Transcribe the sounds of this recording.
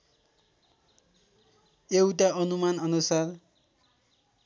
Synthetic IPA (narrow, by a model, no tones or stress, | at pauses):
ewʈaʔʌnumanʌnusar